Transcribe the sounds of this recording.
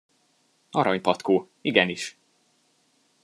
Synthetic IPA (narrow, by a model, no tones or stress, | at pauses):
ɒɾɒɲpɒt̪koː | iɡɛniʃ